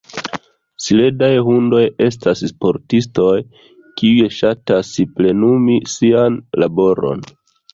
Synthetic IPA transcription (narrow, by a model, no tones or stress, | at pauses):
sile̞dajɦundo̞je̞s̬tasspo̞ɾtisto̞j | kiujeʃatasple̞numisianlabo̞ɾo̞̰n